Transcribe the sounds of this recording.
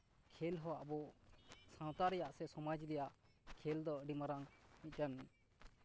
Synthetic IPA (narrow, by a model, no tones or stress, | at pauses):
kʰɛlɦɔaʔbɔsãwt̪aɾɛjaʔsɛsɔmad͡ʒlɛjaʔ | kʰɛld̪ɔɖimaɾaŋmit̪̚kani